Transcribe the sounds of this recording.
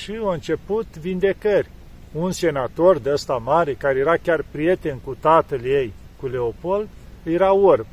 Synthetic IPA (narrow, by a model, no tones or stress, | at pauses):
ʃiaɨnt͡ʃe̞put̪vind̪e̞kərʲ | unse̞nat̪o̞rd̪eəst̪amaɾe̞kaɾejeɾakʲarpɾije̞t̪e̞nkut̪at̪əljej | kuleopo̞ld̪jeɾaorb